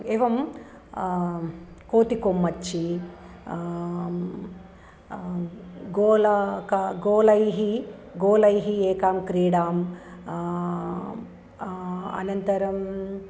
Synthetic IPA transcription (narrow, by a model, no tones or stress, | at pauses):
eʋɐm | koːt̪ikomːɐt͡ʃːi | ɡoːlɐkɐɡoːlɐjɦiɡoːlɐjɦieːkaːmkɾiːɽaːm | ɐ̰nɐnt̪ɐɾɐm